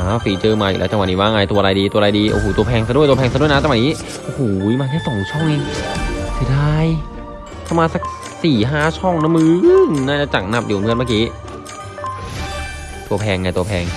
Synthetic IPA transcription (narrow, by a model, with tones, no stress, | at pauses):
aː˧˩siː˨˩˦t͡ɕɤː˧maː˧ḭ˨˩lɛː˨˦˥t͡ɕa˧w̪̚niː˦˩baː˥˩ŋ˧a˧˩t̪u˧ɐ˧ɾa˧jdiː˧t̪u˧ɾa˧diː˧ʔo̰˧˩hoː˧˩t̪u˧pʰɛː˧ŋsa˧du˥˩jt̪u˧pʰɛː˧sa˧du˥˩əjna˦˥t͡ɕa˧wa˨˩niː˦˥ | ʔo˧huː˨˩jmaː˧kʰa˥˩sɔ˨˩˦ŋt͡ɕʰɔ˥˩ŋʔi˧ŋsa˧˩daː˧˩j | t̪ʰa˧˥˩maː˧sa˨˧˩k̚ | siː˨˩ɦaː˥˩t͡ɕʰɔ˥˩ŋna˧˦˥mːɯː˧ŋnaː˧˥˩a˧˥t͡ɕa˨˩k̚na˧˩p̚di˨˩˨mʰɯ˥˩ənmaː˥˧kiː˦˥ | t̪u˧pʰɛː˧ŋna˧jt̪u˧ɐpʰɛː˧ŋ